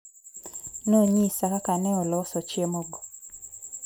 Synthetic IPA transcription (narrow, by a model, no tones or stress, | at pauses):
noɲisakakanɛɔlɔsɔt͡ʃjemoɡo